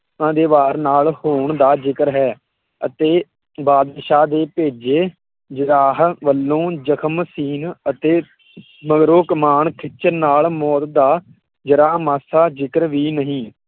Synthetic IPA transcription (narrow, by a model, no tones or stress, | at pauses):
ãːd̪eːʋaːɾnaːlhoːɳd̪aːd͡ʒɪkəɾɦɛː | ət̪eː | baːd̪ɪʃaːd̪eːpeːd͡ʒeː | d͡ʒəɾaːɦʋəlːõːd͡ʒəkʰəmsiːnət̪eː | məɡɾoːkəmaːɳkʰɪt͡ʃəɾnaːlmɔːt̪d̪aː | d͡ʒəɾaːɦmaːsaːd͡ʒɪkəɾʋiːnəɦĩː